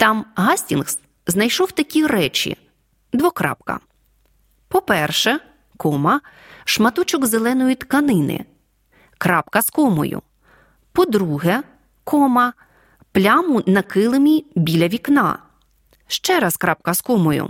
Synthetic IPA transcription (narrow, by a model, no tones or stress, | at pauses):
t̪ɑmɦɑsʲtʲinxs | znɐjʃɔwt̪ɐkʲiɾɛt͡ʃḭ | d̪ʋɔkɾɑ̰p̚kɐ̰ | pɔpɛrʃɛ | kɔmɐ | ʃmɐt̪ɔt͡ʃʊɡzelˠɛnɔjʊt̪kɐnɪnɪ̰ | kɾɑpkɐskɔmɔ̰jʊ̰ | pɔd̪ɾuɦɛ | kɔmɐ | plʲɑmʊnɐkɪlˠɪmʲibʲilʲɐʋʲiknɑ̰ | ʃt͡ʃɛɾɐskɾɑp̚kɐskɔmɔjʊ̰